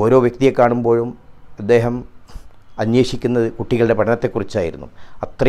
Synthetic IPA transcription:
o̞ːɾo̞ːʋjek̚t̪ijekːaːɳumbo̞ːɻumɐd̪ːe̞ːɦɐm | ɐɲjeːʂikʲːunːɐðɨkuʈːiɣɐɭɨɽe̞pɐʈʰɐnɐt̪ːe̞kːurit͡ɕːaːjiɾunːṵɐt̪rɐ

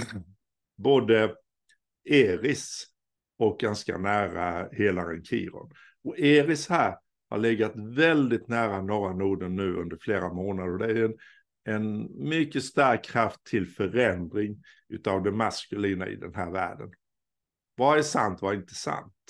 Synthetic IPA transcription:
boːd̪ə | eːɾɪs | ɔk̚ɡanska̰næːɾaheːlaɾɛnkʰḭːɾɔ̰n | ɔeːɾɪshæːɾ | ha̰ɭɪɡːat̪vɛld̪ɪt̪næːɾanɔːɾanuːɖ̪ənːʉ̟ːɵ̰nd̪əɾfleːɾamoːnad̪əɾɔd̪ɛæɛn | ɛnmʏkːəst̪æɾkʰːɾaft̪ʰːɪlfœɾɛnd̪ɾɪŋ | ʉ̟ːt̪ɑvd̪ɛnmaskɵliːna̰ɪ̰d̪ɛnɦæːɾvæ̰ːɖə̰n | vaæʂa̰nt̪vaɪnt̪ə̥sa̰nt̪

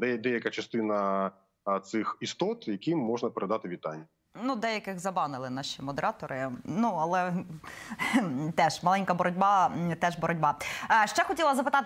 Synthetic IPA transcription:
d̪ɛd̪ɛjɐkɐt͡ʃɐst̪ɪnɐ | t̪sɪxist̪ɔt̪jɐkʲimːɔʒnɐpeɾed̪ɑt̪ɪʋʲit̪ɑnʲːjɐ | nud̪ɛjɐkɪɣzɐbɑnɪlˠɪnɑʃimɔd̪eɾɑt̪ɔɾɪnuɐlˠɛ | t̪ɛʒmɐlˠɛnʲkɐbɔɾɔdʲbɑt̪ɛʒbɔɾɔdʲbɑʃt͡ʃɛxɔtʲilˠɐzɐpɪt̪ɑt̪

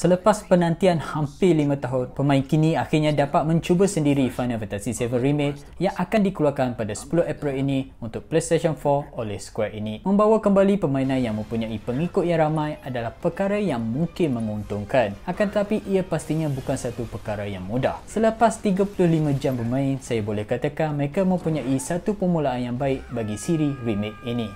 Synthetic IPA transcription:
sələpaspənãnt̪ianhampɪlimãt̪aɦʊnpəmãɪnkinĩaxɪrɲãdapat̪̚mə̃ɲt͡ʃubəsəndiɾifanavat̪asisɛvənrimet̪̚ | jaŋʔakandikəluakanpadasə̥pulʊhapɾilinĩunt̪ʊk̚plest̪eʃɔnfɔolɛhsə̥kuɛinĩmə̃mbawakəmbalipəmãinãnjaŋmə̃mpuɲãipəŋikʊt̪̚jaŋɾamãjʔadalahpəkaɾajaŋmuŋkɪnmə̃ŋunt̪ʊŋkanakant̪ət̪apiʔiapast̪iɲãbukansat̪upərkaɾajaŋmudahsələpast̪iɡapulʊhlimãd͡ʒambərmãɪnsajabolɛhkat̪akanməɾekamə̃mpuɲãʔisat̪upəmũlaanjaŋbaɪʔ̚baɡisiɾirimɪt̪̚inĩ

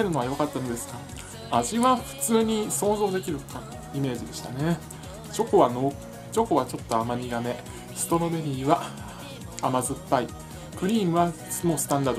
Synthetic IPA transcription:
eɾɯno̞βajo̞kat̪ːanod̪e̞sɨ̥ka | aʑiβaɸɯ̟̥t͡sɨːɲ̟iso̞ːzo̞ːd̪e̞kʲiɾɯ̟kã | ime̞ːʑid̪e̞ɕi̥t̪ane̞ | t͡ɕo̞ko̞βano̞ː | t͡ɕo̞ko̞βat͡ɕo̞t̪ːo̞amaɲ̟ʲiɡame̞ | sɨ̥t̪o̞no̞be̞ɾʲiːβa | amazɨpːai | pɯ̟ɾʲiːmɯ̟βa | mo̞ːsɨ̥t̪ãnd̪ad̪o

